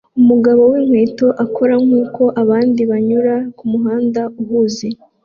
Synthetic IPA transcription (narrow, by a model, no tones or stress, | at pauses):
umuɡaβo̞wiːŋhwe̞ːto̞ʔakʰo̞ɾamŋuːko̞ʔaβaːndiβaɲuɾakumuɦaːndauhuːzi